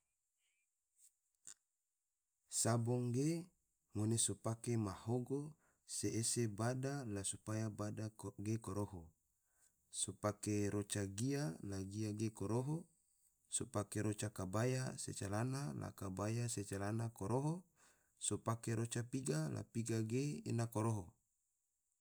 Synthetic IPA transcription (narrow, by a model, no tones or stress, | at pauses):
sabɔŋɡe | monesopakemahoɡo | seːsebadalasupajabadaɡekoɾoɦo | sopakeɾot͡ʃaɡialaɡiaɡekoɾoɦo | sopakeɾot͡ʃakabajasḛt͡ʃalanala̰kabajaset͡ʃalanakoɾoɦo | sopakeɾot͡ʃapiɡala̰piɡaɡeḛnakoɾoɦo